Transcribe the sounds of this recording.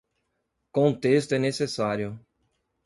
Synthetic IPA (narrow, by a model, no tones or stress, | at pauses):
kõt̪est̪ʊɛnesesaɾjʊ